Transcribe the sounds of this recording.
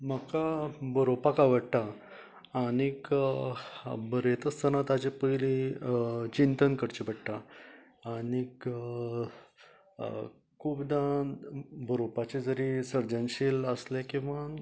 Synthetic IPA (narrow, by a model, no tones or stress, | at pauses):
məkabəɾopakaʋəɽʈ̪aː | ɽ̃ik | bəɾet̪əst̪ənat̪ad͡ʑepəjli | t͡ɕint̪ənkəɾt͡ɕebəɽʈ̪a | aɽik | kʰuːbd̪ã | bʱəɾopat͡ɕed͡zəɾisəɾd͡ʑənɕiləslekĩʋa